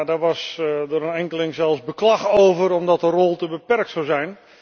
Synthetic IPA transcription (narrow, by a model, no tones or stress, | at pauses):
daʋɔsdəɾənɛŋkəlɪŋsɛlˠzbəklɑxoːvəɾɔmdɔtərolˠtəbəpɛrk̚tsawzɛjn